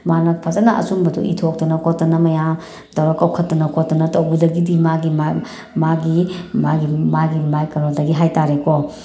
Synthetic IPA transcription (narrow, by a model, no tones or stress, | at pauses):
manɐpʰɐzɐnɐʔɐ̰sumbɐdṵʔḭtʰok̚tɐnɐkʰɔtːɐnɐmɐjam | tɐwɾɐkːɐwkʰɐtːɐnɐkʰɔtːɐnɐtɐwbudɐɡidimaɡima | maɡimaɡimaɡimajkɐnɔdɐɡiɦajtaɾekɔ